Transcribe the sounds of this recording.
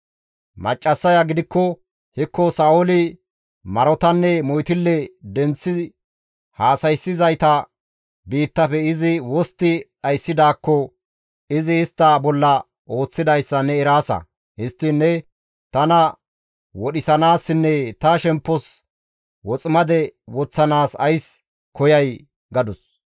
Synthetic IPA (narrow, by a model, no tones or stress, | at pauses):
mɐ̰t͡ʃʼːɐsːɐjɐɡɪd̪ɪkːɔ | hɪkːɔsɐolɪ | mɐɾɔt̪ɐnːɛmɔjt̪ɪlːɛd̪ɛnt͡sːɪ | haːsɐjsːɪzɐjt̪ɐ | biːt̪ːɐfɛɪzɪwɔst̪ːɪʔɐjsːɪd̪aːkːɔ | ɪzɪɪst̪ːɐbɔlːɐ | o̞ːt͡sːɪd̪ɐjsːɐnɛɛɾaːsɐ̰ | hɪst̪ːɪnːɛ | t̪ɐnɐ | wɔɗɪsɐnaːsɪnːɛt̪ɐʃɛmpːɔs | wɔt͡sʼɪmɐd̪ɛwɔt͡sːɐnaːsɐjs | kɔjɐj | ɡɐd̪ʊs